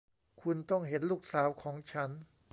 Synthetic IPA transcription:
kʰu˧nt̪ɔ˥˩ŋɦe˨˩˦nluː˥˩k̚saː˩˦wkʰɔː˩˦ŋt͡ɕʰa˦˥n

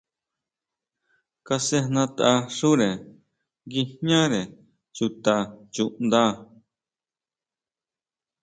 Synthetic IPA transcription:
ka˧se˧hnã˧t̪a˧ʂu˦ɾe˨ | ɡi˧hɲã˦ɾe˨ | t͡ʃu˧t̪a˧t͡ʃu˧ʔnd̪a˦

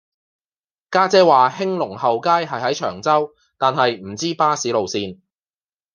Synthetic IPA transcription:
kaː˥t͡sɛː˥waː˨hɪ˥ŋlʊ˨˩ŋhɐ˨wkaː˥jɦɐ˨jɦɐ˨˥jt͡ʃʰœː˨˩ŋt͡sɐ˥w | t̪aː˨nɦɐ˨jm̩˨˩t͡siː˥paː˥siː˨˥lo˨wsiː˧n

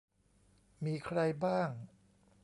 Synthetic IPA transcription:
miː˧kʰɾa˧jbaː˥˩ŋ

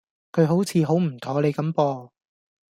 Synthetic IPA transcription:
kʰɵ˨˧ɥɦo˨˥wt͡sʰiː˨˧ɦo˨˥wm̩˨˩t̪ʰɔː˨˧le˨˧jkɐ˨˥mpɔː˧

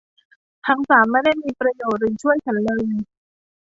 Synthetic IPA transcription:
t̪ʰaː˧˥ŋsaː˩˦mːa˥˩jda˥˩jmiː˧pɾa˧joː˨˩t̪̚ɾɯ˨˩ŋt͡ɕʰu˥˩əjt͡ɕʰa˦nlɤː˧j

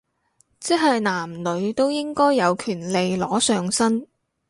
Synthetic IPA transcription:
t͡sɛː˥ɦɐ˨jnaː˨˩mlɵ˨˧ɥt̪o˥wjɪ˥ŋkɔː˥jːɐ˨˧wkʰyː˨˩nle˨jlɔː˨˥sœː˨ŋsɐ˥n

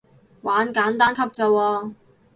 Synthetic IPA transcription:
waː˨˥nkaː˨˥nt̪aː˥nkʰɐ˥p̚t͡sɐ˧wɔː˧

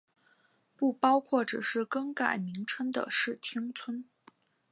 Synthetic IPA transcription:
pu˥˩pɑ˥ʊkʰwɔ˥˩ʈ͡ʂɻ̩˨˩ʂɻ̩˥˩kɤ˥ŋka̰˨˩ɪmi˧˥ŋʈ͡ʂʰə˥ŋd̪ə̰˨ʂɻ̩˥˩t̪ʰi˥ŋt͡sʰwə˥n

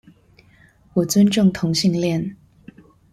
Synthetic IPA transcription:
wɔ˨˩t͡swə˦nʈ͡ʂʊ˥˨ŋt̪ʰʊ˧˥ŋɕi˥˧ŋljɛ˥˨n

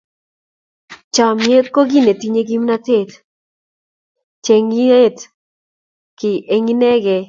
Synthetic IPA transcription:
t͡ʃa˨mje˦t̪̚ko˦ɡi˦ne˨t̪i˦ɲe˦ɡi˦mna˦t̪e˦˨t̪ | t͡ʃe˨ŋi˦e˦t̪ | kɪ˨ʔe˦ŋi˦nɛ˦ɡɛ˨

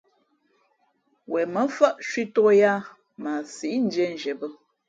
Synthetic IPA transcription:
wɛ˨mə˨˦fə˦ʔʃwi˦to˦ja˦ | ma˨si˨ʔn̩˦d͡ʒɛ˦n˨d͡ʒɛ˨bə˦

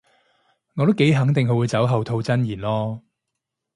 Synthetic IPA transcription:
ŋɔː˨˧t̪o˥ke˨˥jɦɐ˨˥ŋt̪ɪ˨ŋɦɵ˧wu˨˧jt͡sɐ˨˥wɦɐ˨˧wt̪ʰo˧wt͡sɐ˥njiː˨˩nlɔː˥

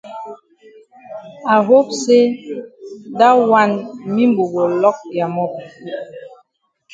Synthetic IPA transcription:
a˨ɦo˦p̚se˦ | da˦wa˦nmi˦m˦bo˨ɡo˨lɔ˦k̚ja˨mɔ˦p̚

